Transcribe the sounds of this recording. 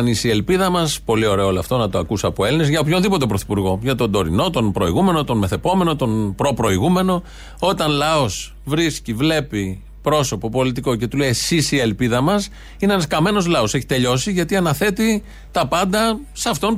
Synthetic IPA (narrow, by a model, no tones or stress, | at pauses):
nisie̞lpiðɐmɐspo̞lio̞ɾe̞ooloɐft̪o̞nɐt̪oɐkusɐpoe̞line̞zʝɐopço̞nðipo̞t̪̬e̞pɾo̞θi̥puɾɣo̞ʝɐt̪o̞nd̪o̞ɾḭno̞t̪o̞npɾo̞iɣume̞no̞t̪o̞nme̞θe̞po̞me̞no̞t̪o̞npɾo̞pɾo̞iɣume̞no̞ | o̞t̪ɐnlɐo̞s | vɾiscivle̞pi | pɾo̞so̞po̞po̞lit̪̬iko̞ce̞t̪ulesisie̞lpiðɐmɐs | ineenɐskɐme̞no̞zlɐoseçi̥t̪e̞ʎo̞siʝɐt̪iɐnɐθe̞t̪i | t̪ɐpɐnd̪ɐsɐft̪o̞n